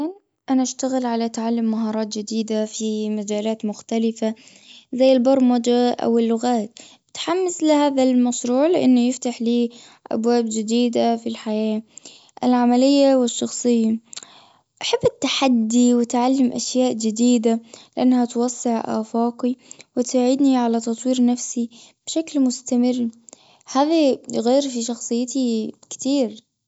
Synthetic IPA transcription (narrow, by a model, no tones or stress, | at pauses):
an | ʔanaʔaʃt̪aɣɪlʕalaʔt̪ʕalːamːaɦɑːɾˤɑːt̪d͡ʒɪd̪iːd̪afimad͡ʒaːlaːt̪mʊxt̪alɪfa | zajːɪlbɑɾˤmad͡ʒaʔa̰wɪlːʊɣaːt̪ | t̪ħamːɪslɪhaːðalmɑʃɾuːʕlɪʔɪnːʊjɪft̪aħliː | ʔa̰bwaːbd͡ʒɪd̪iːd̪afilħajaː | ʔɪlʕamalɪjːawɪʃːɑxsˤɨjːa | ʔaħɪbːɪt̪ːaħad̪ːiwɪt̪ʕalːɪmʔaʃjaːʔd͡ʒɪd̪iːd̪alɪʔanːhat̪wɑsˤːɪʕʔa̰ːfaːqiwɪt̪aʕɪd̪niʕalat̪ɑt̪ˤwiːɾnafsib̥ʃaklmʊst̪amɪrː | haːðiɣeːɾfiʃɑxsˤɨjːɪt̪ikt̪iːɾ